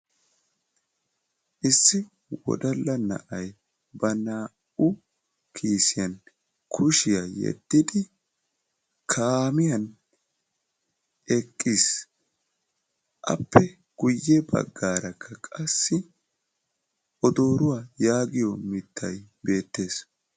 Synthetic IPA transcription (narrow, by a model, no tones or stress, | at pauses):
ʔɪsːɪ | wɔ̰d̪ɐlːɐnɐ̰ʔɐj | bɐnaː | ʊ | kʰiːsɪjɐn | kʰʊʃɪjajɛ̰d̪̥ːɪd̪ɪ | kʰaːmɪjɐn | ɛkʼːiːs | ʔɐ̰pːɛ | ɡ̥ʊjːɛbɐ̰ɡːaːɾɐkʰːɐkʼɐsːɪ | ɔd̪o̞ːɾʊwaːjaːɡɪjɔmɪt̪ːɐjbe̞ːt̪ːe̞ːs